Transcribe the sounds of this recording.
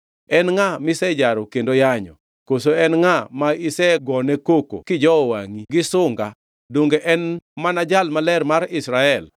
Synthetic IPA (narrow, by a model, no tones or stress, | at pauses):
ɛnŋamɪsɛd͡ʒaɾɔkendojaɲɔ̰ | kosoɛnŋamaisɛɡɔnekoko̰kɪd͡ʒɔwa̰ŋiɡɪsʊŋɡa | doŋɡeʔɛnmanad͡ʒalmalɛrmaɾɪsɾaɛl